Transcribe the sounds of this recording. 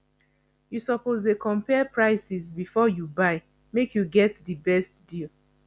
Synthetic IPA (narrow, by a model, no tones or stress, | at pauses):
jusɔpozdekʰɔ̃mpɛpʰɹaɪsisbifɔjubaɪ | mekʰjuɡɛtðibɛstdil